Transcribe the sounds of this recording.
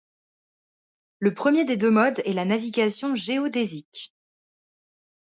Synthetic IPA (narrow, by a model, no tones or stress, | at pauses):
ləpχəmjed̪ed̪ømɔd̪ɛlanaviɡʲasjɔ̃ʒeod̪ezik